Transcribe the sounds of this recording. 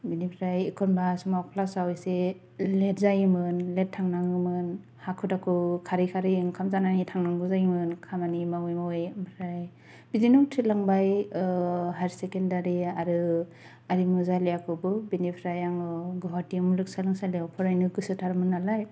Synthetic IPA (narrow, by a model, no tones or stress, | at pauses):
binipʰɾajikʰɔnbasɔmawpʰlasawjse | let̚zajimɯnlet̚tʰːaŋnaŋɯmɯn | hakʰɯtakʰɯkʰaɾikʰaɾɯjɯŋkʰamzananitʰaŋnaŋɡɯzajimɯnkʰamanimawɯjmawejmbɾaj | b̥izinuwtʰitlaŋbaj | ɦaɾisekendaɾiaɾɯ | aɾimuzalejakʰɯbɯbinipʰɾajaŋɯɡɔɦatimulɯk̚salɯŋsalewpʰɔɾajnɯɡɯsɯtʰaɾmɯnalaj